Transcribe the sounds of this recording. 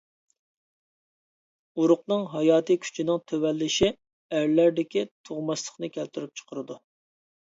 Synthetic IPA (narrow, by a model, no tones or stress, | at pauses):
uɾʊqnɨŋɦɑjɑːt̪ʰɨkʲʰy̥t͡ʃʰinɪŋt̪ʰøwɛlːɪʃi | æɾlæɾd̪ɪkʲit̪ʰoʁmɑslˠə̥χnɨkʲʰɛlt̪ʰyɾyp̚t͡ʃʰə̥qʰəɾɨd̪u